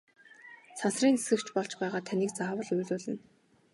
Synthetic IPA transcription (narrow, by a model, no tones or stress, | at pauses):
t͡sʰansriːne̥sɡɘ̆kt͡ɕpɔɮt͡ɕpæːʁaːt̪ʰaniːk̚t͡saːwə̆ɮujɮʊːɮɘ̆n